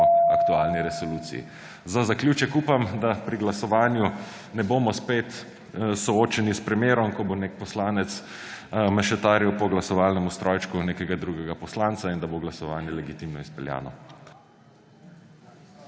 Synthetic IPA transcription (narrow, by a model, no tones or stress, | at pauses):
akt̪uaːlniɾɛsɔluːt̪sḭḭ | zazakljuːt͡ʃɛkuːpamd̪apɾiɡlasɔʋaːnju | nɛboːmɔspet̪ | sɔoːt͡ʃɛnispɾɛmjeːɾɔmkɔbonek̚pɔslaːnɛt̪s | mɛʃɛt̪aːɾjɛwpɔɡlasɔʋalnɛmust̪ɾʔɔːjt͡ʃkuneːkɛɡad̪ɾuɡɛɡapɔslaːnt̪saind̪aboɡlasɔʋaːnjɛlɛɡit̪imnɔispɛlja̰ːnɔ̰